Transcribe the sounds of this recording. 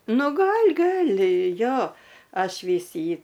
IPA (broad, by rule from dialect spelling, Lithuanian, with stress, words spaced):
nʊ ˈɡɐlʲ ˈɡɐlʲ ˈjoː ˈɐʃ ˈʋʲiːs ˈjiː